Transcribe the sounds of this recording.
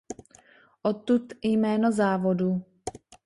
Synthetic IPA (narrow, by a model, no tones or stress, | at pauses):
ʔot̪ːut̪jmɛːnozaːvo̞du